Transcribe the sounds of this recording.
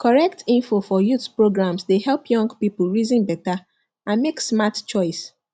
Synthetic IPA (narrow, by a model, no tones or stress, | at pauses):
kɔɹɛk̚tʰĩnfofɔjuθpɹoɡɹãmsdehɛlpjɔ̃ŋɡpipl̩ɹizĩnbɛta | ãnmeksmatt͡ʃɔɪs